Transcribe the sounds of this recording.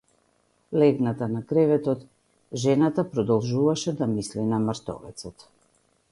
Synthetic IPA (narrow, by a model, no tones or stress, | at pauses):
lɛɡnat̪anakɾɛvɛt̪ɔt̪ | ʒɛnat̪apɾɔd̪ɔlˠʒuvaʃɛd̪amislinamaɾt̪ɔ̰vɛ̰t̪sɔt̪